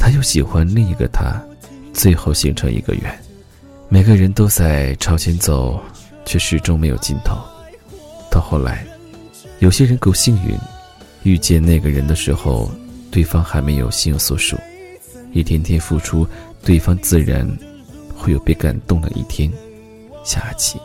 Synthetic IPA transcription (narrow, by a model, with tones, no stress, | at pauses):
t̪ʰa˥jo˥˩ʊɕi˨˩xwa˥nli˥˧ŋi˧˥ɡə̰˧t̪ʰa̰˥ | t͡swe˥˧ɪxo˥˩ʊɕḭ˧˥ŋʈ͡ʂʰɤ˧˥ŋʔḭ˧˥ɡə̰˧ɥɛ̰˧˥˦n | me˨˩ɪɡə˧ɻə˧˥nt̪o˥ʊt͡sa˥˩ɪʈ͡ʂʰɑ˧˥ʊt͡ɕʰjɛ˧˥nt͡so˨˩˦ʊ | t͡ɕʰɥɛ˥˧ʂɻ̩˥˩ʈ͡ʂʊ˥ŋme˧˥ɪjo˨˩ʊt͡ɕi˥˩nt̪ʰo˨˧˥ʊ | t̪ʰa˥˧xo˥˩ʊla̰˧˥ɪ | jo˨˩ʊɕjɛ˥ɻə˧˥nko˥˩ʊɕi˥˧ŋy̰˧˥n | y˥˧t͡ɕjɛ˥˧nna˥˩ɪɡə˩ɻə˧˥nd̪ə˧ʂɻ̩˧˥xo̰˥˧ʊt̪we˥˩ɪfɑ˥ŋxa˧˥ɪme˧˥ɪjo̰˨˩ʊɕi˥˧njʊ˧˥˩ŋswɔ˧˥ʂṵ˨˩˦ | i˥˩t̪ʰjɛ˥nt̪ʰjɛ˥nfu˥˩ʈ͡ʂʰu˥t̪we˥˩ɪfɑ˥ŋt͡sɹ̩˥˩ɻa̰˧˥n | xwe˥˩ɪjo˨˩ʊpe˥˩ɪka̰˨˩nt̪ʊ˥˩ŋd̪ə̰˨˩ʔḭ˥˩t̪ʰjɛ˥n | ɕja˥˩t͡ɕʰi˧˩˦